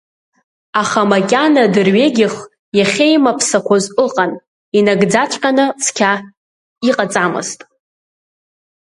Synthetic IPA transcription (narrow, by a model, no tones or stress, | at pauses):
aχamakʲʼanadɨrɥe̞ɡʲɪχ | jaχʲejmapʰsakʷʰozʼʊqʼan | inaɡd͡zat͡ʃʷʼkʲʼanɨt͡sʰkʲʰa | iqʼat͡sʼamɨ̰ztʼ